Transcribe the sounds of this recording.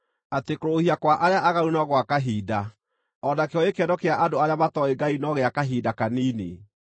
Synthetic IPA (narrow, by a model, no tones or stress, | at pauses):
atekɾoohiakwaʔaɾeaʔaɣaɾunɔɣwakaɦiːda | ɔnakeɔekɛdɔkeaʔadoaɾeamatɔeɡainɔɣeakaɦiːdakaniːnḛ